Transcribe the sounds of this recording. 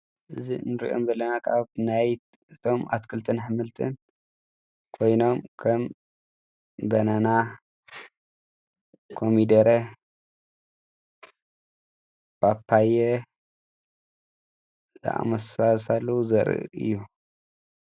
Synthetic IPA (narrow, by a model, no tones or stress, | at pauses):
ʔɨzinɨɾḭʔo̰mbɐlɐnakʰaβnaj | ʔɨt̪ʰo̞mʔa̰t̪kʰɨlt̪ʰɨnħɨmɨlt̪ʰɨ̰n | kʰo̞jno̞mkʰɐm | bɐnana | kʰomid̪ɐɾɐ | b̥apʰːaje | za̰ʔa̰mɐsasalːɐwuzɐɾɨ̰ʔɨ̰jːu